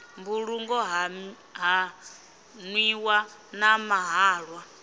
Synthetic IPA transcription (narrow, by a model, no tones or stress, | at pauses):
mbuɺuŋɡɔɦ | ɦa | nwiwanamaɦaːɺwa